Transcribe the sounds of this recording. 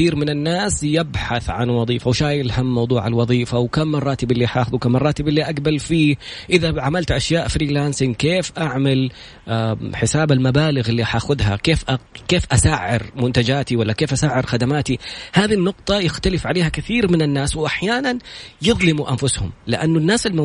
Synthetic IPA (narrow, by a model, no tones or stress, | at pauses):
iːɾmɪnɪnːaːsjɪbħaθʕa̰nwɑðˤiːfawʃaːjɪlhamːɑwd̪ˤuːʕa̰lwɑðˤiːfawkamːɑrˤːɑːt̪ɪbɪlːiʔaħʔaːxʊðukamːɑrˤːɑːt̪ɪbɪlːiʔaɡbalfiːʔɪðaʕamalt̪ʔaʃjaːʔfɾiːlaːnsɪŋkeːfʔaʕmal | ħɪsaːbalmabaːlɪɣɪlːiʔaħʔaːxʊðɦa̰keːfʔakeːfʔasaːʕɪ̰ɾmʊnt̪ad͡ʒaːt̪iwalːakeːfʔasaːʕɪɾxad̪amaːt̪ihaːðinːʊqt̪ˤɑjɪxt̪alɪfʕaleːhakɪθiːɾmɪnɪnːaːswʔaħjaːnanjɨðˤlɪmuʔanfʊshʊ̰mlɪʔanːʊnːaːsɪlm